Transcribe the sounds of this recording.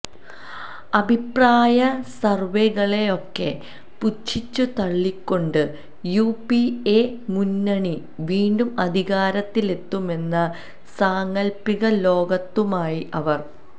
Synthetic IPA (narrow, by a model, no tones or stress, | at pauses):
ɐbʱipraːjɐsɐrʋeɣɐɭe̞jo̞kːe̞ | put͡ɕʰːit͡ɕːut̪ɐɭːikʲːo̞ɳɖɨ | jupiemunːɐɳi | ʋiːɳɖumɐd̪ʱiɣaːɾɐt̪ːile̞t̪ːume̞nːɐ | saːŋɡɐlpːiɣɐlo̞ːɡɐt̪ːumaːjiʔɐʋɐr